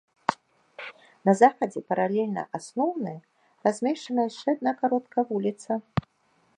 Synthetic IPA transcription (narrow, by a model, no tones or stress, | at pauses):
nɐzaxɐd͡zʲɛpɐɾalʲɛlʲnɐ̰ʔasnɔwnɨjɐ | razʲmʲɛʂt͡ʂɐnɐjɐʂt͡ʂɛad̪̚nakaɾɔt̪kɐvulʲit̪sɐ